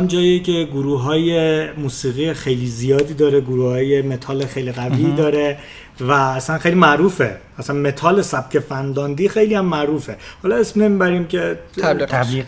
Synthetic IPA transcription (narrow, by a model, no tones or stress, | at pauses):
nd͡ʒɒːiecʰe̞ɡuɾuːɦɒːje̞muːsiːɣiːexe̞jliːzijɒːd̪iːd̪ɒːɾeɡuɾuːhɒːje̞me̞t̪ʰɒːlexejliɣæviːd̪ɒːɾe̞ | væːsænxejliːmæʔɾuːfe̞̰ | æsænme̞t̪ʰɒːle̞sæb̚cʰʲe̞fænd̪ɒːnd̪iːxe̞jlijæmːæʔɾuːfe̞hɒlɒesmne̞miːbæɾiːmcʰe̞